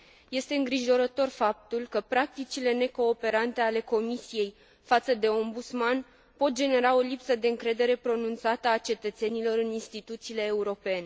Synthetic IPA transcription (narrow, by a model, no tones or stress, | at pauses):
je̞st̪e̞ɨŋɡɾiʒo̞ɾət̪o̞rfap̚t̪ulkəpɾak̚t̪it͡ʃile̞ne̞ko̞ːpe̞ɾant̪e̞ale̞ko̞misije̞j | fat̪səd̪e̞o̞mbut̪sman | po̞t̪̚d͡ʒe̞ne̞ɾao̞lipsəd̪e̞ɨŋkɾe̞d̪e̞ɾe̞pɾo̞nunt̪sat̪əat͡ʃe̞t̪ət̪se̞nilo̞ɾɨninst̪it̪ut̪siːle̞ːuɾo̞pe̞ne̞